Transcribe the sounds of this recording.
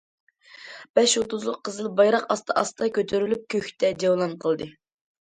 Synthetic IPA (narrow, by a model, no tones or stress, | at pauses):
b̥ɛʃot̪uzlˠəqʰːəzɨlˠbɑjɾɑqɑst̪ʰɑʔɑst̪ɑkʲʰøt̪ʰyɾylyp̚kʲʰøçʲt̪ʰɛd͡ʒ̪ewlˠɑnqʰəlˠd̪ɨ